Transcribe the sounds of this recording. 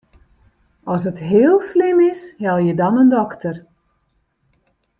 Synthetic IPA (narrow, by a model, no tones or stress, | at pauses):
ɔs̬ɦətɦɪːəlˠslɪmɪshɛlˠjədɔnəndɔktʰər